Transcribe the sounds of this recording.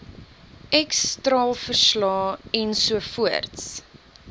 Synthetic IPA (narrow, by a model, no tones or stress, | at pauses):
ɛkstrɑːlˠfərslɑːɛnsuəfuərts